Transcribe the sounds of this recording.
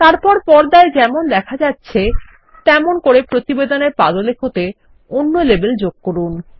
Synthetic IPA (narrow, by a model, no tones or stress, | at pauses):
t̪aɾpɔɾpɔɾd̪aed͡ʑɛmond̪ɛkʰad͡ʑatːɕʰe | t̪ɛmonkoɾepɾot̪ibed̪oneɾpad̪olekʰot̪e | onːolebeld͡ʑoɡ̚koɾun